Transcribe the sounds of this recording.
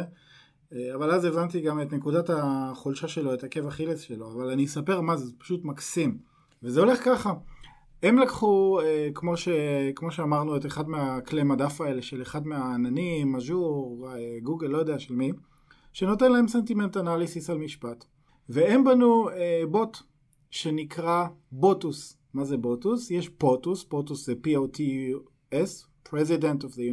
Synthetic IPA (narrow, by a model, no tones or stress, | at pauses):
avalazevant̬iɡametne̞kudataχolʃaʃe̞lo̞e̞take̞vaχilesʃeloavalanisape̞ʁmazepḁʃutmaksim | vezeo̞le̞χkaχa | e̞mlakχuekmo̞ʃekmo̞ʃeamaʁnue̞teχadmeaklemadafaeleʃeleχadmeaːnanimaʒuʁeɡuɡelːojodeaʃelmi | ʃe̞no̞te̞nlae̞mse̞ntime̞ntanalisisalmiʃpat | veembanuebo̞t | ʃenikʁa | bo̞tus | mazebo̞tusjeʃpotusb̥otuszepiotʰi | es | pʁezidentofðeju